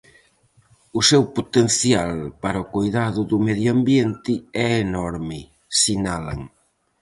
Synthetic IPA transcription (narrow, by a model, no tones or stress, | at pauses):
ʊsewpot̪enθjalpaɾɐʊkojðaðʊðʊmeðjoambjent̪ɪɛenɔɾmɪ | sinala̰ŋ